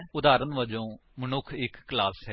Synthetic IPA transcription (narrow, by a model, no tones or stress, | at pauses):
ʊd̪aːɾənʋəd͡ʒõːmənʊkʰɪkːlaːsɛ